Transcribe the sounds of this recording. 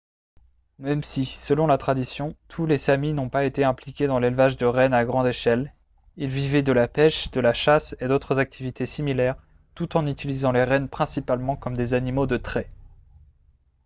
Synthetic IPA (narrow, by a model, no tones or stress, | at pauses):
mɛmsisəlɔ̃lat̪χad̪isjɔ̃t̪ʰulefaminɔ̃paet̪eɛ̃plikʲed̪ɑ̃lelvaʒd̪əʁɛnaɡʁɑ̃d̪eʃɛl | ilvivɛd̪əlapɛʃd̪əlaʃased̪ot̪χəzak̚t̪ʰivit̪ʰesimilɛʁ | t̪ut̪ɑ̃nyt̪ilizɑ̃leʁɛnpχɛ̃sipalmɑ̃kɔmd̪ezanimod̪ət̪χɛ